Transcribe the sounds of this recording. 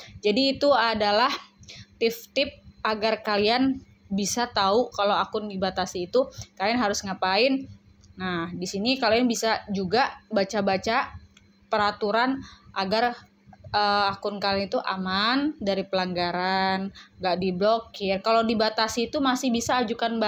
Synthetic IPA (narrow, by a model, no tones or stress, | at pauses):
d͡ʒadiːt̪uadalaht̪ɪft̪ɪp̚aɡarkalian | bisat̪aukalawakʊndibat̪asiːt̪ukalianɦaɾʊsŋapaɪn | nahdisinikalianbisad͡ʒuɡabat͡ʃabat͡ʃa | pəɾat̪uɾanʔaɡar | əakʊnkalanit̪uʔa̰mandaɾipəlaŋɡaɾanŋɡaʔdiblokɪrkalowdibat̪asiːt̪umasɪhbisaːd͡ʒukanb